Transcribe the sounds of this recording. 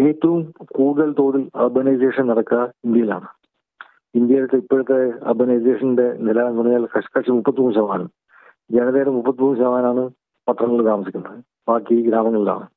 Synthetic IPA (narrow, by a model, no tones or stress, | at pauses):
e̞ːt̪ːɐʋumkuːɽuðɐɭt̪o̞ːɽilɐrbɐnɐjse̞ːʂɐnnɐɽɐkːɐind̪jɐjila̰ːɳɨ | ind̪jɐjilt̪ːeipːeɻut̪ːeɐ̰rbɐnɐjse̞ːʂɐnnɖe̞nilɐunɐjaːlkɐʂɐ̥kɐʂimupːɐt̪ːimuːmɕɐɐmaːnɐm | d͡ʑenɐðeɾɐmupːɐt̪ːimuːmɕɐːmaːnaːɳɨ | pɐt̪rɐŋːɐɭt̪aːmɐsikʲːunːɐðɨ | baːkːiɡɾaːmɐŋːɐɭila̰ːɳɨ